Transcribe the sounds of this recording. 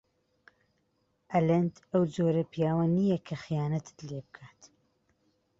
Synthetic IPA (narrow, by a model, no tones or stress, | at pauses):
ʔɐlɐnd̪ɐwd͡zoːɾɐpijaːwɐnijɐkʰɐχijaːnɐt̪ʰɨ̥t̪leːbɨkʰaːt̪